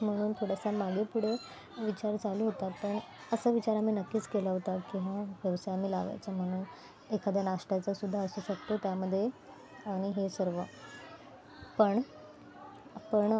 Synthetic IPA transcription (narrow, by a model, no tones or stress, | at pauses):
m̤əɽ̃uːnt̪ʰoɽ̤asamaɡepuɽ̤e | ʋit͡ɕaɾd͡zaluːɦot̪apəɳ | əsəːʋit͡ɕaɾam̤iːnəkːiːt͡skelaɦot̪akĩʋãʋjəʋsajam̤iːla̰ʋa̰jt͡sam̤əɽ̃uːn | ekad̪anaʂʈat͡sasud̪ʱːaəsuːɕək̚t̪ot̪jaməd̪ʱːje | aɽ̃iɦesəɾʋə | pəɳ | pəɳ